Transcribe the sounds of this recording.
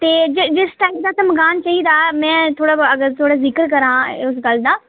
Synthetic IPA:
t̪eːd͡ʒɪd͡ʒɪsʈaːɪkd̪aːsɐmɡaːnt͡ʃaiːd̪aːmɛ̃ːt̪ʰoːɽaɐɡəɾt̪ʰoːɽazɪkəɾkɐɾãːʊsɡɐld̪aː

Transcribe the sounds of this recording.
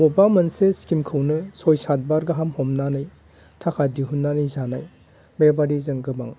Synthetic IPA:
mɔbamɯnseskimkʰɯwnɯsɔjsat̚baɾɡɯɦamhɔmnanɯj | tʰakʰadiɦunːanɯjzanaj | bebaɾizɯŋɡɯba̰ŋ

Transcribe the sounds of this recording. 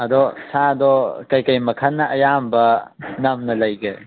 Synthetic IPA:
ɐd̪ɔsʰadɔkɐjkɐjmɐkʰɐnːɐʔɐjambɐnɐmnɐlɐjɡḛ

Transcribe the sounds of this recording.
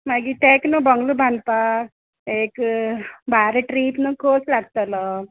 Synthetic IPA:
maɡit̪ɛknəbəŋɡlubʱãnpa | ek | bʱaɾeʈɾipnəkʰot͡slaɡt̪ələ

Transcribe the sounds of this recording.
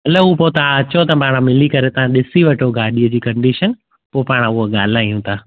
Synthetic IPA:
ɐləuːpot̪ɐãɐt͡ɕot̪ɐpaːɽ̃ãmɪlikɐɾet̪ɐʋãɗɪsiʋɐʈʰoɡʱaːɗijəd͡ʑiːkɐ̃ɳɖiːʃən | poːpaːɽ̃aʊɦoɠaːl̤aːijũt̪ʰaː

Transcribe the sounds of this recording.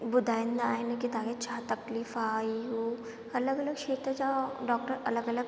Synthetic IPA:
bʊd̪aːjɪnd̪aaːinekit̪aːket͡ʃʰaːt̪ɐkliːfaːiu | ɐləɡɐləɡʃeːt̪ɐd͡ʒaɖɔːk̚ʈəɾɐləɡələɡ

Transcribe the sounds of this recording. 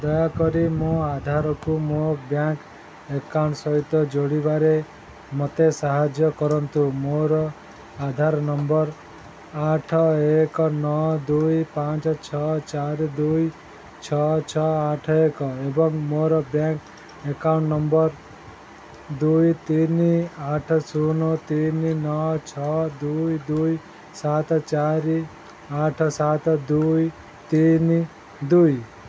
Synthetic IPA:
d̪ɔjakɔɾimõad̪ʱaɾɔkumobjaŋk | ekawɳʈsɔɦit̪ɔd͡ʒoɽibaɾe | mot̪esaɦad͡ʒjɔkɔɾɔnt̪umoɾɔ | ad̪ʱaɾnɔmbɔɾ | aʈʰɔekɔnɔd̪ujpat͡ʃɔt͡ʃʰɔt͡ʃaɾd̪uj | t͡ʃʰɔt͡sʰʌaʈʰekʌebʌŋmoɾʌbjãŋk | ekawɳʈnʌmbʌɾ | d̪ujt̪iniaʈʰʌsunot̪ininʌt͡sʰʌd̪ujd̪uj | sat̪ʌt͡ʃaɾi | aʈʰʌsat̪d̪uj | t̪ini | d̪uj

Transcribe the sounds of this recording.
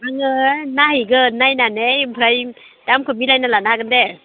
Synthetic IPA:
aŋɯnaɦiɡɯnnːajnanejmpʰɾaj | d̥amkʰɯmilajnalanaɡɯnde

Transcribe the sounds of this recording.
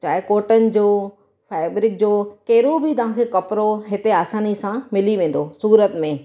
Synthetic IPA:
t͡ɕaːekoːʈənɪ̆d͡ʑoː | fɛːbɾɪk̚d͡ʑoːkɐɦɪɾobɪt̪ɐʋ̤ãkʰeːkɐpɾoɦɪt̪eaːsaːnisãmɪliʋẽːn̆d̪osuːɾət̪mẽ

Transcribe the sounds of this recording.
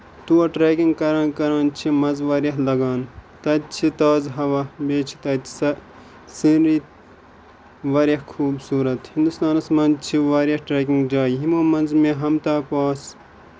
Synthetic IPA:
t̪uɐʈɾeːkiŋɡkɐɾãːnkɐɾãːnt͡ʃʰimɐzʋɐːɾjɐɦlɐɡaːnt̪ɐd̪t͡ʃʰit̪aːzɦɐʋɐbeːt͡ʃʰi̥t̪ɐt̪sɐ | siɾiː | ʋɐːɾʲjɐhkʰuːbsuːɾɐt̪hĩnd̪ust̪aːnɐsmɐnt͡ʃʰiʋaːɾjɐhʈɾeːk̬iŋɡd͡ʒaːiɦimoːmɐnzmẽɦɐmt̪aːpaːs

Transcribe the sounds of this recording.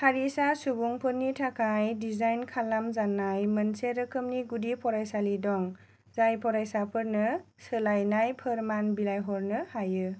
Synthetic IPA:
haɾisasubuŋpʰɯɾnitʰakajdizajnkʰalamzanajmənseɾɯkʰɯmniɡudipʰɔɾajsalidɔŋ | zajpʰɔɾajsapʰɯɾnɯ | sɯlajnajpʰɯɾmanbilajɦɔɾnɯhajɯ

